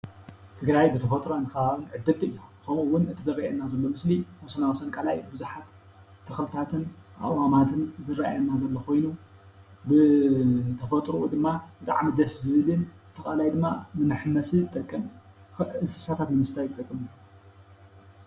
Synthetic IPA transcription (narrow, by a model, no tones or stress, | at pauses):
t̪ʰɨɡɾajbɨt̪ʰɐfɐt̪ʼɾonɨkɐβaβɨnʕɨd̪ːɨlt̪ʰiɨjːukʰɐmuwʊnɨt̪ʰɨzɨrːaajɐnːazɐlːo̞mɨsliwɔsɐnawsɐnkʼalajbɨzuħat̪ʰː | ɐxlɨt̪ʰat̪ʰɨnʔa̰ʔwamat̪ʰɨnzɨrːaʔa̰jɐnːazɐlːokʰo̞jnu | bɨ | t̪ʰɐfɐt̪ʼɾuʔud̪ɨmːabɨt̪ʼa̰ʕmid̪ɐszɨβɨlɨn | t̪ʰɐkʼalajd̪ɨmːanɨmɨħmːɐsizɨt̪ʼɐkʼːɐm | ɨnsɨ̥sat̪ʰat̪nɨmɨst̪ʰajzɨt̪ʼɐkʼːɨmɨ